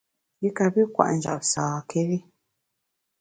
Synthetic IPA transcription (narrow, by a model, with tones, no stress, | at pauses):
ji˦ka˨bi˦kwa̰˨ʔn̩˨d͡ʒa̰˨p̚saː˨kʰe˦ɣi˦